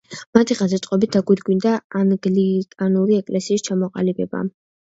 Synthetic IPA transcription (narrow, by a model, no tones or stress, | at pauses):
mat̪ʰiʁazat̪sʼqʼɔbit̪̚d̪aɡwiɾɡwind̪aːnɡlikʼanuɾiɛkʼlɛsiːst͡ʃʰamɔqʼa̰libɛba̰